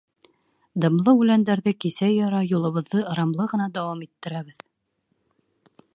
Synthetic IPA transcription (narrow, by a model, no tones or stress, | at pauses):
d̪ɤ̆mlˠɤʉlænd̪æɾðɘkisæjːɑɾɑjulˠɤ̆βɤ̆ðːɤɤ̆ɾɑmlˠɤʁɤ̆nɑd̪æwɑmit̪ːɘ̆ɾæβɘð